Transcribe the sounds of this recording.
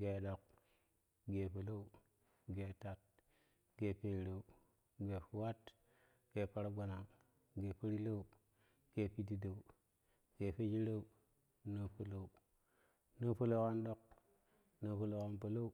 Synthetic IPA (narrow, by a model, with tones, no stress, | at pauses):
ɡe˨ɗo˨k̚ | ɡe˨po˨lo˦u˦ | ɡe˨ta˨t̚ | ɡ̥e˨pe˨ɾa˨u˨ | ɡe˨fu˨wa˦t | ɡ̥e˨pa˨ɾa˦ɡa˨na˨ŋ | ɡe˨pa˦ɾi˦lo˦u˨ | ɡ̥e˨pi˦di˨da˨u˨ | ɡ̥e˨pe˦d͡ʒi˦ɾo˦u˨ | no˦po˨lo˨u˨ | no˦po˦lo˦ka˦nɗo˦k̚ | no˦po˨lo˦ka˦npa˨lo˦u˦